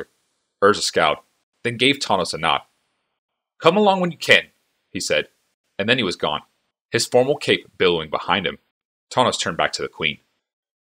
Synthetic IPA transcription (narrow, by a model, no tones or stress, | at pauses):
ɜ˞zɨskaʊt̚ | ðɨ̃nɡeɪv̥tʰɑnəsənɑ̰t̚ | kʰʌ̃məlɔ̃ŋwə̃njɨkʰɨ̃n | hisɛɾ | ɨ̃nðɨ̃niwʌzɡɔ̰̃n | ɨz̥fɔɹml̩ˠkʰeɪpb̥ɪlˠoʊɪ̃ŋbəhã̰ɪ̃nd̚ɨ̰̃m | tʰɑñəstʰɜ̃˞nbæ̰k̚tʰɨðɨkʰw̥ḭ̃n